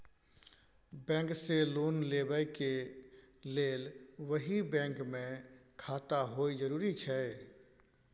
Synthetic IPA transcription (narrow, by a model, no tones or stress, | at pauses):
bɛ̃ːŋkseloːnlebəjke | leːlʋəɦibɛ̃ːŋkmẽkʰaːt̪aɦoːid͡ʒəɾuːɾit͡ʃʰɛ